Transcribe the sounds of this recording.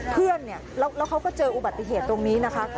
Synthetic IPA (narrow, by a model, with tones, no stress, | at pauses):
pʰɯ˥˩ənːi˥˩ɐlɛː˦˥wlɛː˦˥wkʰa˦˥wkɔː˥˩t͡ɕɤː˧ʔu˨˩ba˨˩t̪ːi˧˩ɦeː˨˩t̪ːo˧ŋniː˦˥na˦˥kʰa˦˥